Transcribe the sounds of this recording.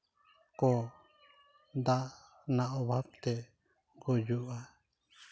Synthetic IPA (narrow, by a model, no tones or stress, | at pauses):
kɔ | d̪aʔ | naʔɔbʱap̚t̪ɛ | ɡɔd͡ʒuʔa